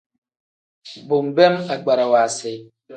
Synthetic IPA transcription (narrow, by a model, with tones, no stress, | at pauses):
bo˨m̩˨bɛ˦ma˨ɡ͡ba˨ɾa˨wa˨se˨˦